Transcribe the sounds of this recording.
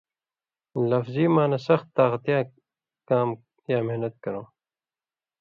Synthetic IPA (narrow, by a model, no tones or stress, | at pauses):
lɐfziːmaːnɐsɐxt̪ːaːqɐt̪jaː | kaːm | jaːmehnɐt̪̚kɐɾõː